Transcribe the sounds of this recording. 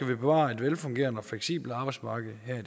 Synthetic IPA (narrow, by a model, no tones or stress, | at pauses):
æʋib̥e̝ʋɑ̰̈ːe̝d̥ʋelfɔ̽ŋɡ̥e̝̰ːɐnɒ̽fleɡ̥sḭːb̥l̩ɑ̈ːb̥ɑ̈ɪsmɑ̈ːɡ̥ð̩ˠɦæɐ̰i̥